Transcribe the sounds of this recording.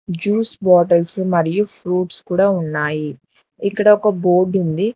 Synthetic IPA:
d͡ʒuːsbɔːʈɐlsmɐɾijupʰɾuːʈskuːɽaːunːaːji | ikːɐɽɐɔkɐbo̞ːɖund̪i

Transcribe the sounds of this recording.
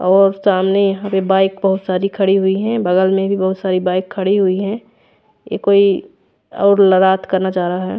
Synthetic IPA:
ɔːɾsaːmnejɐɦãpebaːɪkbɐɦʊt̪saːɾikʰɐɽiɦʊiɦɛ̃bəɡəlmẽbʱibɐɦʊt̪saːɾibaːɪkʰːəɽiɦʊiɦɛ̃ | jḛkoːi | ɔ̰ːɾləɾaːt̪kəɾnad͡ʒaːɾaaɦɛː

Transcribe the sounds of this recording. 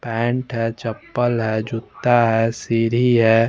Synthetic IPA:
pɛ̃ːɳʈɦɛt͡ʃɐpːəlɦɛːd͡ʒʊt̪ːaɦɛːsiɾiɦɛː

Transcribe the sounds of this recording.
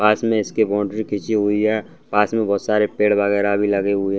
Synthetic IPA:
paːsmẽɪskebɔ̃ːɳɖɾikʰit͡ʃiɦuiɦɛ̃ | paːsmẽbʱɔːt̪saːɾepeːɽbəɡɛːɾabʱiləɡeɦʊiɦ

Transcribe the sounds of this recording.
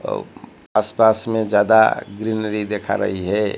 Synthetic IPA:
aspasmẽd͡ʒjad̪a̰ɡɾinəɾid̪ekʰa̰ɾə̰ɦiɦɛ

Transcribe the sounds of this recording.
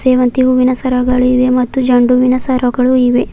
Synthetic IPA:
seːʋɐnt̪iɦuʋinɐsɐɾɐɡɐɭuiʋemɐt̪ːud͡ʒɐɳɖuʋinɐsɐɾɐɡɐɭuiʋe

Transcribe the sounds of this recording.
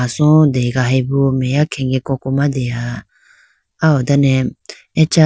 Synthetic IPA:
asɔ̃d̪eɡaɦɛbumɛjakʰɛ̃ŋɡɛkɔ̃kumãd̪ea | aod̪anɛ | ɛt͡ʃa

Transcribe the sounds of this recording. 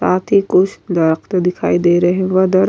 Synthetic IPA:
aːt̪ʰikʊt͡ʃʰd̪ɐɾəkt̪d̪ɪkʰa̰ːid̪eːɾɐɦẽʋɐd̪ɐɾ

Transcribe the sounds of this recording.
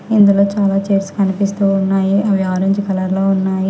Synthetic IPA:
ind̪ulo̞ːt͡ʃaːlaːt͡ʃeːɾskɐnipist̪uːnːaːjiʔɐʋjaːɾɐɲt͡ʃikɐlɐɾloːunːaːji

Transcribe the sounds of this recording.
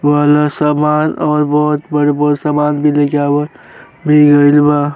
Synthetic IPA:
ʋaːlasaːmaːnɔːɾbɔːʊt̪bəɽebəɾsaːmaːnbʱilekeaːbəɾ | bʱiɡəilba

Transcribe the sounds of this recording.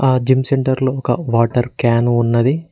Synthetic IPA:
aːd͡ʒimseɳʈɐɾloːɔkɐ̰ʋaːʈɐɾkaːnuːnːɐd̪i

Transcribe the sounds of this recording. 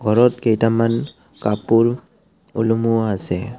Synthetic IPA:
ɡʱɔɹɔtkejtaman | kapuɹ | ṵlumuasɛ

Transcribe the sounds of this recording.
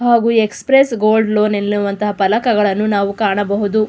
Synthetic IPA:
ɦaːɡuːekspɾesɡoːlɖlo̞ːnelːuʋɐnt̪ɐɦɐpɐlɐkɐɡɐɭɐnːunaːʋukaːɳɐbɐɦud̪u

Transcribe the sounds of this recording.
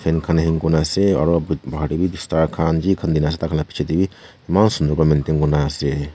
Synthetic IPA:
fʰenkʰɐnɦiŋkunaseɔ̰ɾɔbbʱaʈibibist̪aːɾkʰaːnd͡ʒikʰɐnd̪inas̬et̪akʰɐnlapi̥t͡ʃʰet̪ibi | imaːnsund̪əɾbamint̪iŋkunase

